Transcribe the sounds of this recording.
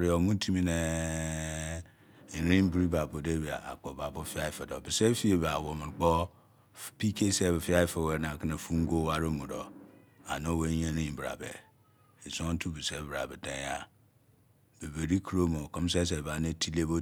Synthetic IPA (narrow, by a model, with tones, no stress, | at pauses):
ɾi˨o˨mu˦tʰi˦mi˦ne˨ | i˨ɾĩ˦m˦bi˦ɾi˦ba˨bo˨de˦bi˨a̰˨a̰˨k͡po˨ba˨bo˦fi˦a˦i˨fe˨do˨bi˨se˦fi˦e˨ba˨wo˨m˨ɾk͡po˦ | pi˦ke˦se˦˨bfi˦a˦i˦fe˦˨we˨˦na˨ki˦ne˨fu˦ŋ˦ɡo˦wa˦ɾo˦mu˨ɾo˨ | a̰˨no˦we˦je˦ɾĩ˦bɾa̰˨bḛ˨ | i˨so˦n˦tu˦bi˨se˦bɾa̰˨be˨de˨ja˦ | be˨be˨ɾi˦kɾo˦mo˨ko˦m˦s̬e˦s̬e˨ba˨˦ne˦ti˦le˦bo˦